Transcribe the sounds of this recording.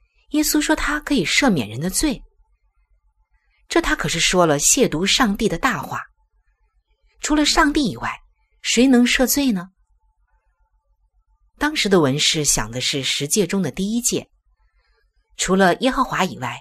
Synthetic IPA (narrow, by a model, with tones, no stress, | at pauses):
jɛ˥su˥ʂwɔ˥t̪ʰa˥kʰɤ˧˥i˨˩ʂɤ˥˩mjɛ̰˨˩nɻə˧˥nd̪ə˧t͡swe˥˩ɪ | ʈ͡ʂɤ˥˩t̪ʰa˥kʰɤ˨˩ʂɻ̩˥˩ʂwɔ˥lə˨ɕjɛ˥˩t̪u˧˥ʂɑ˥˧ŋt̪i˥˩d̪ə˩t̪a˥˧xwa̰˥˩ | ʈ͡ʂʰu˧˥lə˧ʂɑ˥˧ŋt̪i˥˩i˨˩wa̰˥˩ɪ | ʂwe˧˥ɪnɤ˧˥ŋʂɤ˥˧t͡swe˥˩ɪnə˩ | t̪ɑ˥ŋʂɻ̩˧˥d̪ə˧wə˧˥nʂɻ̩˥˩ɕjɑ̰˨˩ŋd̪ə˦ʂɻ̩˥˩ʂɻ̩˧˥t͡ɕjɛ˥˩ʈ͡ʂʊ˥ŋd̪ə˨t̪i˥˩i˥t͡ɕjɛ̰˥˩ | ʈ͡ʂʰu˧˥lə˧jɛ˥xɤ˧˥xwa˧˥i˨˩wa˥˩ɪ